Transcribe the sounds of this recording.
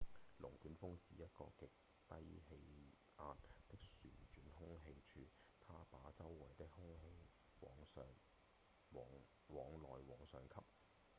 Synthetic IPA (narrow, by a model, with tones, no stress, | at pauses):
lʊ˨˩ŋkyː˨˥nfʊ˥ŋsiː˨jɐ˥t̚kɔ̰ː˧kɪ˨k̚ | t̪ɐ˥jhe˧j | aː˧t̚t̪ɪ˥k̚syː˨˩nt͡ʃyː˨˥nhʊ˥ŋɦe˧jt͡ʃʰyː˧ | t̪ʰaː˥paː˨˧˥t͡sɐ˥wːɐ˨˩jt̪ɪ˥k̚hʊ˥ŋɦe˧j | wɔː˨˧ŋsœː˨˧ŋː˨ | ŋ | wɔː˨˧ŋlɔː˨jwɔː˨˥ŋsœː˨ŋkʰɐ˥p̚